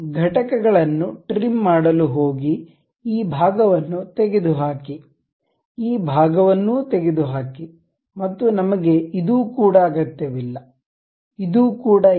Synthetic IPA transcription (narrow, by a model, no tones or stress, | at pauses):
ɡʱɐʈɐkɛɡɐɭɐnːuʈɾimːaːɽɐluɦoːɡi | iːbʱaːɡɐʋɐnːut̪eɡed̪uɦaːki | iːbʱaːɡɐʋɐnːuːt̪eɡed̪uɦaːki | mɐt̪ːunɐmɐɡe̞id̪uːkuːɽɐːɡɐt̪ːeʋilːɐ | id̪uːkuːɽɐ